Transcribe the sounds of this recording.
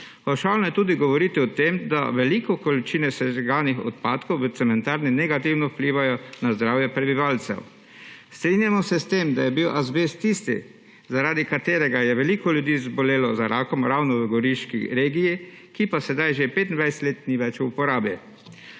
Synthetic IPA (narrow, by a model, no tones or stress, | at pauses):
ɔʃawnɔjɛt̪uːd̪iɡɔʋɔɾiːt̪iɔt̪emd̪a̰ʋɛlikɔkɔlit͡ʃiːnɛsɛʒɛɡaːnixɔ̰t̪̚paːt̪kɔwʋət̪sɛmɛnt̪aːɾninɛɡat̪iwnɔwpliːʋajɔnazd̪ɾawjɛpɾɛbiʋaːlt̪sɛ̰w | st̪ɾinjamɔsɛst̪eːmd̪ajɛbiwʔazbest̪ist̪ḭ | zaɾaːd̪ikat̪eːɾɛɡajɛʋɛlikɔljud̪iːzbɔleːlɔzaɾaːkɔmɾawnɔʋəɡɔɾiʃkḭɾeːɡiji | kipasɛd̪ajʒepeːt̪nd̪ʋajsɛ̥t̪leːt̪niʋɛt͡ʃuupɔɾaːbjɛ